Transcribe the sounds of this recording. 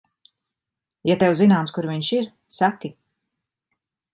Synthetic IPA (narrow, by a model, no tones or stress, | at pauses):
jat̪ewzinaːmskuɾviɲʃiɾ | saki